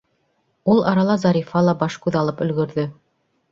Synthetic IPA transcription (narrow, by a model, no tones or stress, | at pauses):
ulˠɑɾɑlˠɑzɑɾifɑlˠɑbɑʃkʉðɑlˠɤpɵ̆lɡɵ̆ɾðɵ